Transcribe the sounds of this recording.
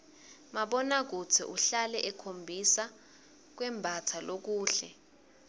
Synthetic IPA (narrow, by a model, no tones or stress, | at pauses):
maɓɔnak̬utʰḭʔuɬalɛʔɛkʰombʱisa | k̬wɛmbʱatʰalok̬uːɬɛ